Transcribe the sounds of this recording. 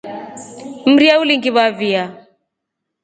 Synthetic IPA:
m̩ɾiauliŋɡiβavia

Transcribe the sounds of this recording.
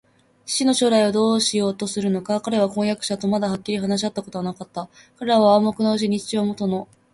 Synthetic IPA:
t͡ɕi̥ɕino̞ɕo̞ːɾaiod̪o̞ːɕijo̞ːt̪o̞sɨɾɯ̟no̞kakaɾe̞β̞akõ̞ɰ̃jakɯ̟̥ɕat̪o̞mad̪ahakʲːiɾʲiɦanaɕ̬iat̪ːako̞t̪o̞βanakat̪ːa | kaɾe̞ɾaβaːmːokɯ̟naɯ̟ɕ̬iɲ̟it͡ɕi̥t͡ɕiβamo̞t̪o̞no̞

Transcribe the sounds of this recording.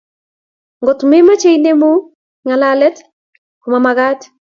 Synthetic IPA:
ŋɡɔtmemat͡ʃejnemu | ŋalalɛt | kumamaɡat

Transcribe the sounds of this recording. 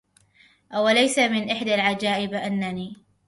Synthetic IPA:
ʔawalajsamɪnʔɪħd̪alʕad͡ʒaːʔɪbʔanːaniː

